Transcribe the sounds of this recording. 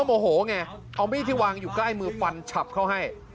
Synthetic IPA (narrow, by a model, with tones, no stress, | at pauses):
əmʔo˨˩ɦoː˩˦ŋa˧ | ʔa˧wma˦˥˩t̪ʰiː˥˩waː˧ŋjuː˨˩kla˥˩jmɯː˧fa˧nt͡ɕʰa˨˩p̚kʰa˥˩wɦa˥˩j